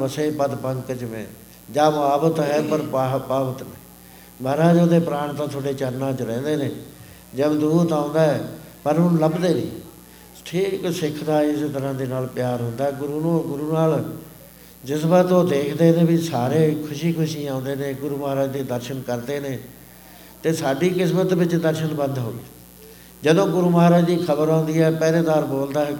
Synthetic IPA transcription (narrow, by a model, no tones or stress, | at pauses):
əseːpəd̪pəŋkt͡ʃəʋḛ̃ː | d͡ʒaːbaːbət̪ɦɛːpəɾpaːbət̪nɛ̃ː | maːɾaːd͡ʒoːd̪eːpɾaːɳt̪ãːt̪ʰoːɽeːt͡ʃəɾnãːt͡ʃəɾɛ̃ːnd̪eːneː | d͡ʒəbd̪uːt̪ãːnd̪aːɦɛːpəɾɦʊnləbd̪eːnḭ̃ː | ʈʰiːksɪkʰd̪aːɪst̪əɾãːd̪eːnaːlpjaːɾɦʊ̃nd̪aːɛːɡʊɾuːoɡʊɾuːnaːl | d͡ʒɪs̬baːt̪oːd̪eːkʰd̪eːnẽːbisaːɾeːkʰʊʃiːkʰʊʃiːãːnd̪eːneːɡʊɾuːmɦaːɾaːd͡ʒd̪eːd̪əɾʃənkəɾd̪eːneː | t̪eːsaːɖiːkɪsmət̪ʋɪt͡ʃd̪əɾʃənbə̃nd̪ɦo̰ːɡeː | d͡ʒəd̪õːɡʊɾuːməɦaːɾaːd͡ʒd̪iːkʰəbəɾãːnd̪iːɛːpɛːleːd̪aːɾboːld̪aːɛː